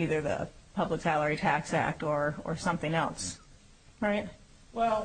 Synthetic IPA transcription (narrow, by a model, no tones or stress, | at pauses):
iðə˞ðɨ̰pʰʌbləksælˠə˞itʰæksæ̰k̚tə˞ə̰˞sʌ̃mθɪ̃ŋɛlˠs | ɹaɪt̚ | wɛlˠ